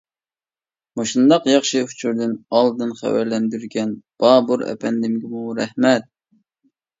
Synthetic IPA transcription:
mɑʃund̪ɑqjɑχʃɨut͡ʃʰuɾd̪ɪnɑlˠd̪ɨnχæ̰wæɾlɛnd̪yɾɡʲɛnb̥ɑːbuɾɛ̰pʰɛnd̪ɪmɡʲɪmuɾɛhmɛt̪̚

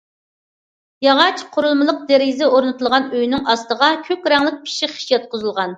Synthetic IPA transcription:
jɑʁɑt͡ʃqʰoɾʊlˠmɨlˠəq̚d̪eɾɪzɛoɾnɨt̪ʰɨlˠʁɑnøjnɪŋɑst̪əʁɑkʲʰøkʲɾɛŋlˠɪk̚ʲpʰi̥ʃiχi̥ʃjɑt̪̚qʰʊzɨlˠʁɑn

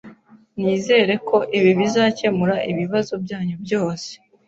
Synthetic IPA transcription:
niːze̞ːɾe̞kʰo̞ʔiβiβizaːce̞muɾaʔiβiβazo̞bjaːɲubjo̞ːse̥

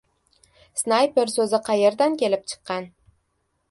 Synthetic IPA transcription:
snajpeɾsɵzɪqʰɑje̞ɾd̪ankʲʰe̞lɪp̚t͡ʃʰɨ̥qːɑn

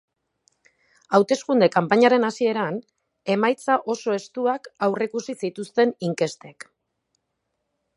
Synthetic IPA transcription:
awt̪e̞skund̪e̞kampaɲaɾe̞nasie̞ɾan | e̞majt͡saʔo̞so̞e̞st̪uakawrekusisit̪ust̪e̞niŋke̞st̪e̞k

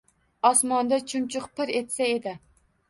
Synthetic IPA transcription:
ɑsmɑnd̪ɛt͡ʃʰumt͡ʃʰʊqpʰɪɾet̪sɛed̪ɪ

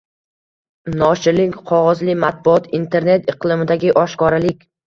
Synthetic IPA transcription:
nɒʃɪlɪŋkʲqʰɒʁɒzlɪmat̪̚bʊɒt̪int̪ʰe̞ɾne̞t̪ɨqlˠɪmɪd̪aɡʲɪʔɒʃkɒɾalɪkʲ

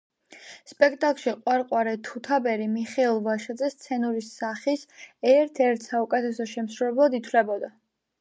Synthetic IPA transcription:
spʼɛkʰt̪ʼakʼlˠʃiqʼwaɾqʼwaɾɛt̪ʰut̪ʰabɛɾimiχɛilˠvaʃad̪zɛst̪sʰɛnuɾisːaχisɛɾt̪ʰɛɾt̪ʰsaukʼɛt̪ʰɛsɔʃɛmsɾuɛblˠad̪it̪ʰvlɛbɔd̪a

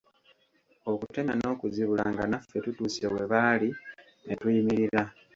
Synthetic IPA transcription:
o̞kute̞ɲano̞ːkuziβula̰ŋɡanafːe̞tutuːsiewe̞βaːli | netujimiɾiɾa

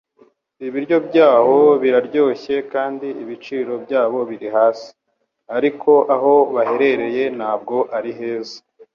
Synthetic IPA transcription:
iβiɾjo̞bɟaːho̞βiɾaɾɟo̞ːçe̞kaːndiiβit͡ʃiːɾo̞bjaːβo̞βiɾiɦaːsi̥ | aɾikʰo̞ʔaɦo̞βaɦe̞ɾe̞ɾe̞je̞naːb̚ɡo̞ʔaɾiɦe̞ːzḁ

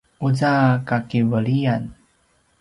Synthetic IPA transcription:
uzakakivəɭian

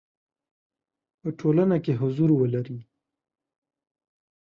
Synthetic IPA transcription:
pəʈʰolənakeɦʊzuɾwəlaɾi

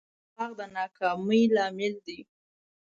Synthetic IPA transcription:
ɑɣd̪ənɑkɑməjlɑmɪld̪i

